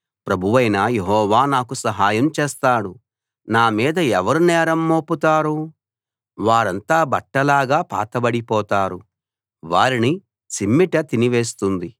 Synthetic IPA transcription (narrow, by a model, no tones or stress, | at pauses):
pɾɐbʱuʋɐjnajeɦɔːʋaːnaːkusɐɦaːjɐmt͡ʃeːst̪aːɽu | naːmiːd̪ɐɛʋɐɾunɛːɾɐmːoːput̪aːɾu | ʋaːɾɐnt̪aːbɐʈːɐlaːɡaːpa̰ːt̪ɐbɐɽipɔːt̪aːɾu | ʋaːɾini | simːiʈɐt̪iniʋe̞ːst̪und̪i